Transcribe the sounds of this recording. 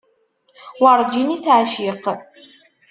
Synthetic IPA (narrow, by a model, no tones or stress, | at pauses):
wɑɾˤd͡ʒinit̪ʕaʃiq